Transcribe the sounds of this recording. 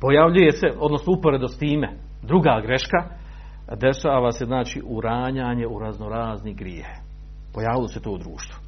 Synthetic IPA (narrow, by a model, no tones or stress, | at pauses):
po̞jaʋʎuje̞se̞o̞d̪nosnoupo̞ɾe̞d̪ost̪iːme | d̪ɾuɡaːɡɾe̞ʃka | d̪e̞ʃaːʋase̞znaːt͡ʃiʔuɾaːɲaːɲe̞uɾaznoɾaːzniɡɾjie | po̞jaːʋilose̞t̪oːud̪ɾuːʃt̪vu̥